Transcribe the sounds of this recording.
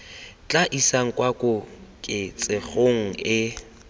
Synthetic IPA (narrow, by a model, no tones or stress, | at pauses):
t͡ɬʼaʔisaŋ̩kʼwakʼʊkʼɪt͡sʼɪχoŋ̩ɪ